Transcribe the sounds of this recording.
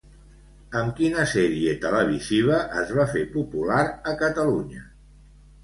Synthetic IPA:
əmkinəsɛɾiet̪ələβ̞iziβ̞əʔəzβafepupulaɾəkət̪əluɲə

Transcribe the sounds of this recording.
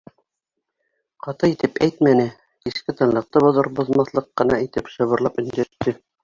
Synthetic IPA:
qɑt̪ɤit̪ɘpæjt̪mænɘ | kiskɘt̪ɤ̆nlˠɤ̆q̚t̪ɤbŏðɤɾbŏðmɑθlˠɤqːɤ̆nɑit̪ɘpʃɤ̆βɤ̆ɾlˠɑpɵ̆nd̪æʃt̪ɘ

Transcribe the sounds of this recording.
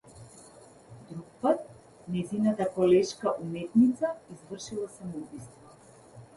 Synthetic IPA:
d̪ɾuk̚pat̪̚ | nɛjzinat̪akɔlɛʃkaʔumɛt̪nit̪saizvr̩ʃilˠasamɔubist̪vɔ

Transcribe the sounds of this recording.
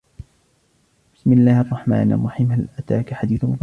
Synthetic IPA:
b̥ɪ̥smɪlːaːhʔɑrˤːɑħma̰ːnʔɑ̰rˤːɑħiːmhalʔat̪aːkaħad̪iːθmʊf

